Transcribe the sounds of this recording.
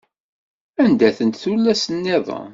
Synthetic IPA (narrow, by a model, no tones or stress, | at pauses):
ænd̪æθənt̪θulːæsənːɪðˤɑ̰